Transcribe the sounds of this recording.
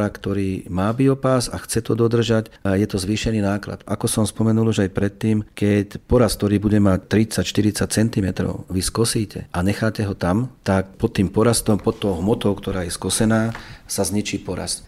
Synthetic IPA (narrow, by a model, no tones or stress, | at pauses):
ɾakt̪ɔɾiːmaːbiɔpasa̰xt͡sɛt̪ɔd̪ɔd̪r̩ʒacjɛt̪ɔzʋiːʃɛniːnaːkla̰t̪akɔsɔmspɔmɛnulˠuʒajpɾɛt̪ːiːmkɛcpɔɾask̚t̪ɔɾiːbuɟɛmac̚t̪ɾit͡sacʃt̪iɾit͡sac̚t͡sɛnt̪imɛt̪ɾɔ̰ʊʋiskɔsiːcʰɛ̰ʔaɲɛxaːcɛɦɔt̪amt̪akpɔt̪ːiːmpɔɾast̪ɔmpɔt̪ːɔʊɦmɔt̪ɔʊkt̪ɔɾaːjɛskɔsɛnaːsazɲit͡ʃiːpɔɾa̰st̪